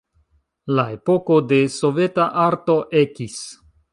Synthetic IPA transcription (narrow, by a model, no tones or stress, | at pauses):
lae̞po̞ko̞de̞so̞ve̞taʔaɾto̞ʔe̞kis